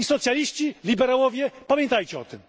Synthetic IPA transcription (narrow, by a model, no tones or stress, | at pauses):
isɔt̪sʲjalʲiɕt͡ɕilʲibɛɾawɔvʲjɛpamʲjɛnt̪ajt͡ɕɛɔ̰t̪ɘm